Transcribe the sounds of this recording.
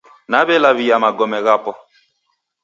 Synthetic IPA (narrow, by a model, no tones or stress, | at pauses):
naβɛlaβijamaɡɔmɛɣapɔ